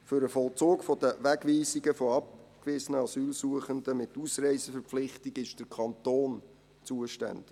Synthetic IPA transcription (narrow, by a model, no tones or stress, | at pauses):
fʏɾəfɔlˠt͡soːkfɔd̥̪əʋæɡʋiːsiɡəfɔɑp̚kʋɪsənəɑsyːlsuəχənd̪əmɪtusɾɛɪsəfəɾpflɪχtiɡɪʃd̥əɾkʰχɑntoːn | t͡suəʃtæ̰nd̥ɪ̥